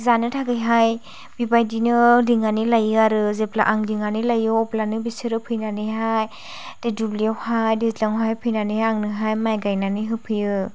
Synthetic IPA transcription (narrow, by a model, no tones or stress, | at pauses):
zanɯtʰaɡɯjɦaj | bibajdinɯliŋanilajɯaɾɯzepla̰ʔaŋliŋanilajɯɔplanɯbisɯɾɯpʰɯjnanɯɦaj | d̥edubliawhajdezlaŋɦajpʰɯjnanihajaŋnɯɦajmajɡajnaniɦɯpʰɯjɯ